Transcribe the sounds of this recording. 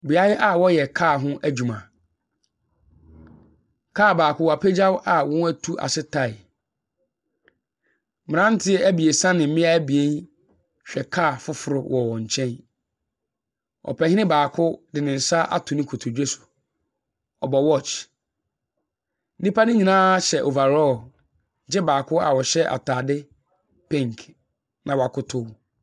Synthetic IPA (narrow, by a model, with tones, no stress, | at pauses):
bi˨a˦jɪ˦ʔa˦wɔ˦jɛ˨kʰaː˦˨ɦʊ̃˦ʔæ˦d͡ʑu˨mã˨ | kʰaː˦˨baː˨kʰʊ˦wa˨pʰɛ˦d͡ʑa˦wʔa˨wɔ̃˦æ˦tʰu˦ʔa̰˨sɪ˦tʰa˨ɪ˨ | mɪ̃˨ã˦n˦tʰɪ˦ɛ˦æ˦bi˨e˨sã˦nɪ̃˨m̩˦mɪ̃˦a˦æ˦bi˨e˦n | ɕᶣɛ˨kʰaː˦˨fʊ˦fʊ˨ɾʊ˦wʔɔ˨wɔ̃˨ɲ̩˨t͡ɕʰɛ̃˦n | ɔ̰˨pʰɛ˨hɪ˦nɪ̃˦baː˨kʰʊ˦dɪ˨nɪ̃˨n̩˨sa˦ʔa̰˨tʰʊ̃˨nɪ̃˦kʰʊ˨tʰʊ˨d͡ʑᶣe˦sʊ̥˨ | ɔ˨bɔ˨wɔ˦t͡ʃ | nĩ˦pʰa˦nɪ̃˦ɲĩ˨nãː˦ɕɛ˨ʔo˨va˨ɾɔ˦˨ | d͡ʑɛ˦baː˨kʰʊ˦a̰˨wɔ˨ɕɛ˦ʔa̰˨tʰaː˨dɪ˦ | pʰẽ˦ŋkʰ | nʔã˨wa˨kʰʊ˦tʰʊ˦w